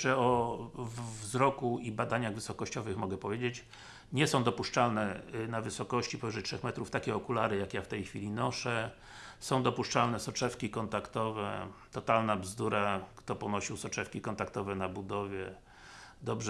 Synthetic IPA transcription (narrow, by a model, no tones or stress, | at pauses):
ɛɔvvzɾɔkuibad̪aɲaɣvɘsɔkɔɕt͡ɕɔvɘxmɔɡɛpɔvʲjed͡ʑet͡ɕ | ɲɛsɔ̃w̃d̪ɔpuʂt͡ʂalnɛnavɘsɔkɔɕt͡ɕipɔvʲɛʐɛtʂɛxmɛt̪ɾuft̪akʲɛɔkulaɾɘjakjaft̪ɛjxfʲilʲinɔʂɛ | sɔ̃w̃d̪ɔpuʂt͡ʂalnɛsɔt͡ʂɛfkʲikɔnt̪akt̪ɔvɛt̪ɔt̪alnabzd̪uɾakt̪ɔpɔnɔɕiwsɔt͡ʂɛfkʲikɔnt̪akt̪ɔvɛnabud̪ɔvʲjɛ | d̪ɔbʐ